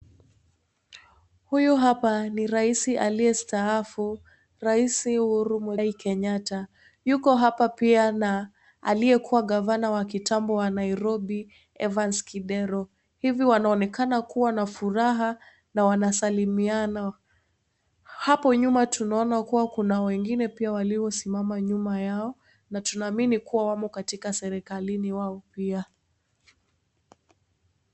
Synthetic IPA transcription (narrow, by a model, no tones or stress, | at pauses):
hujuɦapaniɾaisiʔaliɛstaafu | ɾaisihuɾumwɛikɛɲata | jukɔɦapapiana | aliɛkʰuwaɠavanawakitambɔwanaiɾɔɓi | ɛvanskiɗɛɾɔ | hiviwanaɔnɛkanakuwanafuɾaɦa | nawanasalimiana | hapɔɲumatunaɔnakuwakunawɛŋɡinɛpiawaliɔsimamaɲumajaɔ | natunaːminikuwawamɔkatikasɛɾɛkaliniwaɔpia